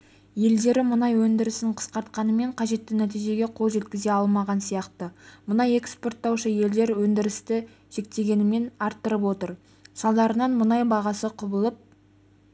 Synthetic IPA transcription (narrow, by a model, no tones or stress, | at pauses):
je̞ld̪e̞ɾɪmʊnɑjwɵnd̪ɪɾɪsɪɴqʰə̥sqɑɾt̪̚qɑnəme̞ɴqʰɑʒe̞t̪ːɪnæt̪ijʒe̞ɡʲe̞qʰo̞lˠʒe̞t̪̚kʲɪze̞ɑlˠmɑʁɑnsijɑqt̪əmʊnɑje̞kspo̞rt̪ːɑwʃəje̞ld̪e̞ɾwɵnd̪ɪɾɪst̪ɪ | ʒ̥e̞k̚t̪e̞ɡʲe̞nɪme̞nɑɾt̪ːəɾəp̬wo̞t̪əɾ | sɑlˠd̪ɑɾənɑnmʊnɑjbɑʁɑsəqʰʊbəlˠəp̚